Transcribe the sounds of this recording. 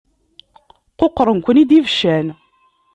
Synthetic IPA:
qoqːɾˤənkʷənid̪ivʃæn

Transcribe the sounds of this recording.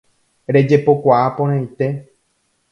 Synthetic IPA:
ɾe̞d͡ʒe̞po̞kʷaʔapõɾ̃ãjt̪e̞

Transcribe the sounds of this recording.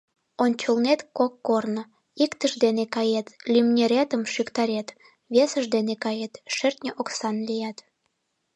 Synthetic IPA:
onʲt͡ɕəlnet̪kokːornə̆ | ikt̪əʒd̪enekɑjet̪lʲymnʲeɾʲet̪əmʃykt̪ɑɾet̪ | βʲesəʒd̪enekɑjet̪ʃert̪ʲnʲəʔoksɑnlijɑt̪

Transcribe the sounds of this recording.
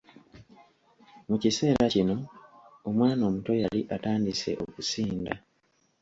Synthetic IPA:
mucise̞ːɾacino̞ | omwaːno̞ːmuto̞jaliʔataːndise̞̰ʔo̞kusiːnda

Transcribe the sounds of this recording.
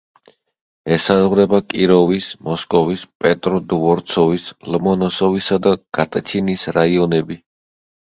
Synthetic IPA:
ɛsazʁɾɛbakʼiɾɔvismɔskʼɔvispʼɛt̪ʼɾɔd̪vɔɾt̪sʰɔvislmɔnɔsɔvisad̪aɡ̥at̪ʼt͡ʃʰinisɾaiɔnɛbi

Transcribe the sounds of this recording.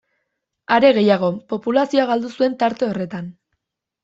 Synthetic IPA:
aɾe̞ɣe̞jaɣ̞o̞po̞pulasio̞aɣald̪usue̞nt̪aɾt̪e̞o̞re̞t̪an

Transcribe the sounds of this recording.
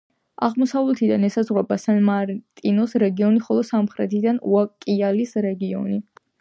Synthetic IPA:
a̰ʁmɔsavlɛt̪ʰid̪anɛsazʁwɛbasanmaɾt̪ʼinɔsɾɛɡiɔniχɔlˠɔsamχɾɛt̪ʰid̪anuakʼialisɾɛɡiɔ̰ni

